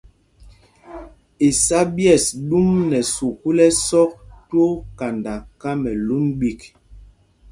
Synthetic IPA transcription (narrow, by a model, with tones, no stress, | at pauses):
e˨sa˦bjɛ˦˨sɗu˦mnɛ˨so˨ku˦lɛ˦sɔ˦k̚to˦ka˨nda˨ka˦mɛ˨lu˦mɓi˦˨k